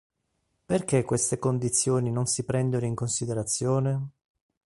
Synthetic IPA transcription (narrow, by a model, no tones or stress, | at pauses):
perkekːwest̪ekond̪it̪sːjoːninonsipɾɛnd̪onoiŋkonsid̪eɾat̪sːjoːne